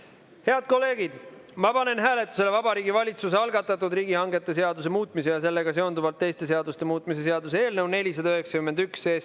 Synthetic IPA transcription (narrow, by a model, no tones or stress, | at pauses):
he̞ɑd̪̥̚ko̞lːe̞ːɡid̪̥ | mɑpɑne̞nɦæːle̞t̪ːˑuse̞le̞vɑbɑɾiːɡivɑlʲit̪suseɑlɡɑt̪ːˑɑt̪ːˑud̪riːɡihɑŋɡe̞t̪ːˑe̞s̬e̞ɑd̪us̬e̞muːt̪ˑmise̞jɑse̞lːe̞ɡ̥ɑseo̞nd̪uvɑlt̪ːe̞jst̪e̞s̬e̞ɑd̪̥ust̪e̞muːt̪ːˑmise̞se̞ɑd̪usee̞ːlnɤwne̞lʲisɑd̪ɑøɦeksɑkymend̪ykse̞ːst̪